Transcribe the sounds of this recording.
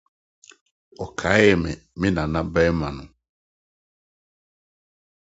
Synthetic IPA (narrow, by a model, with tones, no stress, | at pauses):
ɔ˨kʰa˨˦jɛ˨mɛ̰˨mɪ̃˦nã˨nã˦bɛ˦mã˨nʊ̃˨